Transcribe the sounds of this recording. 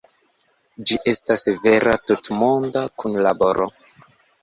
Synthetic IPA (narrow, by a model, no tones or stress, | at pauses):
d͡ʒiʔe̞stasve̞ɾʔatutmo̞ndakʰunlabo̞ɾʔo̰